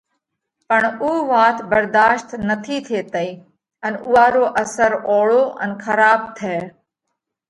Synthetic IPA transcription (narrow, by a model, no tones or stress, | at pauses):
pəɳuːʋãːt̪ʰbəɾd̪aːʃt̪nət̪ʰiːt̪ʰeːt̪əiː | ənʊɦaːɾoːʔəsəɾoːɭoːʔə̰nkʰəɾaːb̚t̪ʰɛː